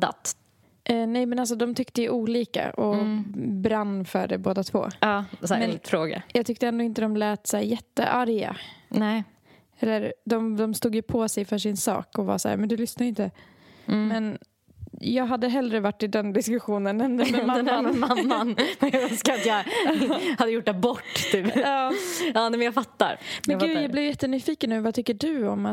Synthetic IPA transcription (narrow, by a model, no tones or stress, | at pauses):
d̪a̰t̪ | ʔnɛjmɛnals̬ɔd̪ɔmt̪ʰʏkt̪əjʔuːliːka̰ʔɔ | bɾanːfœ̰ɖɛboːd̪at̪ʰvo̰ːɑːsmɛnt̪fɾoːɡa̰jɑɡt̪ʰʏkt̪əɛnd̪oːɪnt̪əd̪ɔmlɛːt̪sæːɾjɛt̪ːə̰ʔaɾja̰nɛ | ɛlːəɾd̪ɔmd̪ɔmst̪uːɡjɵpʰɔsɛjfœːʂɪnsɑ̰ːkɔvɑ̰ːsæ̰ːɾmɛnd̪ɵlʏsnaɾɪnt̪ə | mɛn | jɑːɡɦad̪ːəɦɛldɾəvaʈːɪd̪ɛnd̪ɪskɵɧuːnənɛnmamamːanmɛjaɡœnskaɾat̪ja | had̪ːəjʊʈ̚ːd̪ɛbɔʈːt̪ʰyːpɑːɑːnɛmɛnjafat̪ːa̰ɾmɛ̃ɡʉ̟ːjaːɡblɪvjjɛt̪ːənyːfiːkənːʉːvat̪ʰʏkːəɖʉɔma